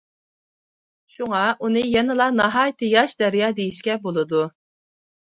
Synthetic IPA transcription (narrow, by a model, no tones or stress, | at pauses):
ʃuŋɑʔunɨjɛnɪlˠɑnɑɦɑːjt̪ʰɨjɑʃd̪æɾijɑːd̪ejiʃkʲɛbolˠɨd̪u